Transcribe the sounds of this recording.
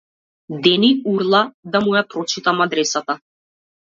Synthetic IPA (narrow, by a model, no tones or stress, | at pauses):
d̪ɛniuɾlˠad̪amujapɾɔt͡ʃit̪amad̪ɾɛsat̪a